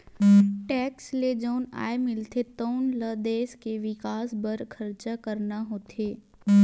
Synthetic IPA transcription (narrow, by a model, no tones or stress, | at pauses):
ʈɛːksled͡ʒoːna̰ːemɪlt̪et̪oːnləd̪eːʃkeʋɪkaːsbəɾkʰəɾt͡ʃakəɾnaɦoːt̪ʰeː